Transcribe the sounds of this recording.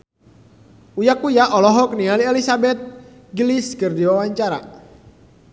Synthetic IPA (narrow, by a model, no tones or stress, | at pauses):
ujakujaʔɔlɔɦɔk̚nialiɛlisabɛt̪̚ | ɡliskɨrdiwawaɲt͡ʃaɾa̰